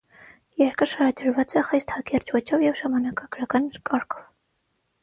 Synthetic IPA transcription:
jɛɾkʰəʃɑɾɑd̪əɾvɑt͡sɛχist̪hɑkɛrt͡ʃvɔt͡ʃʰɔvjɛvʒɑmɑnɑkɑɡ̥ɾɑkɑnkɑɾkʰɔ̥v

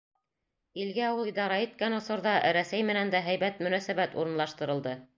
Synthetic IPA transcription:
ilɡæulˠid̪ɑɾɑit̪̚kænŏsɤ̆ɾðɑɾæsæjmɘ̆nænd̪æɦæjbæt̪mɵ̆næsæβæt̪ṵɾɤ̆nlˠɑʃt̪ɤ̆ɾɤ̆lˠd̪ɤ

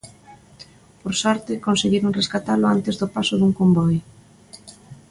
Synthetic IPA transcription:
poɾsɔɾt̪ɪkonseɣiɾoŋreskat̪alʊant̪ezðʊpasʊðuŋkombɔj

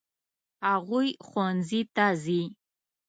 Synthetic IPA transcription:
aʁʷujχʷɔnzitʰaziː

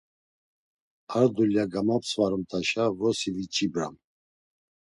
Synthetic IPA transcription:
aɾd̪uljaɡamapsʰvaɾɔmt̪ʰaʃavɔsivit͡ʃʰʼibɾa̰m

